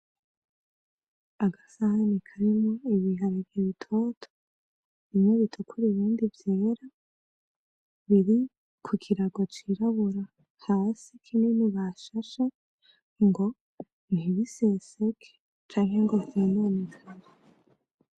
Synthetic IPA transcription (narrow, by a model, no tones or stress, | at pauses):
aɡasahanikʰaɾimŋo̞iβiɦaɾivjiβitʰo̞ːtʰo̥ | βimŋeβitʰukʰuɾiβiːndivjeːɾa | βiɾi | kʰukʰiɾaɡo̞t͡ʃiɾaβuɾa | haːsikʰininiβaʃaʃe | ŋɡo̞ | n̥iβisesekʰe̥ | t͡ʃaːŋhe̞ŋɡozenanikane